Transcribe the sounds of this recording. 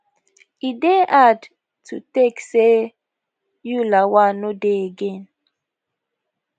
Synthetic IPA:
ideʔad | tutekse | julawanodeɡen

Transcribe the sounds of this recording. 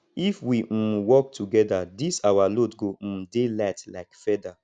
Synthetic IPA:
ifwiwɔk̚tʰuɡɛdadisawalodɡom̩mdelatlaɪkfɛda

